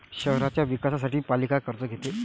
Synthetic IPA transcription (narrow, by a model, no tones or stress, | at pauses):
ɕəɦɾat͡ɕjaʋikasas̬aʈiːpalikakəɾt͡səɡʱet̪e